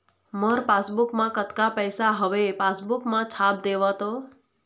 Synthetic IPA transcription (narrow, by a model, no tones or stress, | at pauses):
məɾpasbukmãkət̪kapəjsaɦəʋepasbukmãt͡ʃʰap̚d̪eʋat̪o